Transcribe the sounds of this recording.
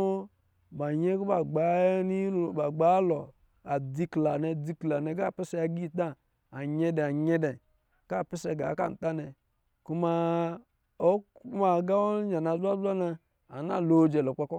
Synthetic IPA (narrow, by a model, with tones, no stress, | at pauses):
ba˨ɲɛ˦ku˦ba˨ɡ͡ba˨˦ni˦˨ba˨ɡ͡ba˨˦lɔ˨ | a˨di˧kla˨nɛ˨˧di˧kla˨nɛ˧ɡa˦˨pɛ˦sɛ˧a˧ɡi˦˨ta˦˨ | a˨ɲɛ˧dɛ˨a˨ɲɛ˧dɛ˨ | ka˦˨pɛ˦sɛ˧˨ɡa̰˨˦ka̰˦˨n̩˨ta˦nɛ˨ | ku˦ma˦˧ | o˦ku˦ma˨ɡa˦ɔ˦ɲa˨na˨zʷa˦za˦na˧ | a˨na̰˦˨lo˨˦d͡ʒɛ˨lɔ˨k͡pa˦kɔ˦